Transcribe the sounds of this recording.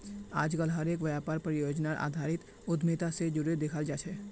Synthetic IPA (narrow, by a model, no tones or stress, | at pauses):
aːd͡ʒɡəlɦəɾeːk̬ʋjaːpaːɾpɾəjoːd͡ʒnaɾʔa̰ːd̪ʱaːɾɪt̪ | ʊd̪met̪ased͡ʒʊɾed̪ekʰəld͡ʒaːt͡ʃʰɛː